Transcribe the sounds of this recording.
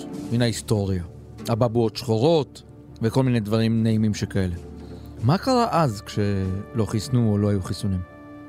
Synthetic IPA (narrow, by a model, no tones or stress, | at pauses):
minaisto̞ʁja | ababuotʃχoʁo̞t̪ | veko̞lminedvaʁimnaimimʃekae̞le̞makaʁaʔazkʃe̞lo̞χisnuolo̞hajuχisunim